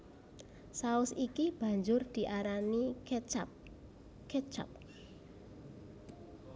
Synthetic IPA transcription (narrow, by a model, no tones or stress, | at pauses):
saʊsikib̥a̤ɲd͡ʒʊrd̪̥i̤ʔaɾanit͡ʃap | kɛt͡ʃa̰p̚